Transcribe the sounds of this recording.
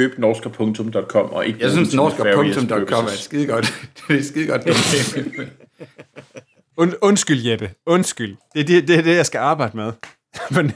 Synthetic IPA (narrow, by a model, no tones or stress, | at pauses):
øːb̥nɒːsɡ̥ɐpʰɔ̽ŋt͡sʰɔ̽md̥ɒ̽d̥̚kʰɒ̽m̰ɒ̽ʔe̝ɡ̥əjasynsnɒːsɡ̥ɐæpʰɔt͡sʰɔ̽md̥ɒd̥̚kʰɒ̽m̰æɐɪd̥sɡ̥iðˠɡ̥ɒd̥de̥sɡ̥iðˠɡ̥ɒd̥ee | nɔ̽nsɡ̥yl̰jeb̥əɔ̽nsɡ̥yl̰d̥e̝æd̥id̥e̝æɐd̥e̝jɑ̈ɪsɡ̥æɑ̈ːb̥ɑ̈ɪdəmeðˠ | ʋɛn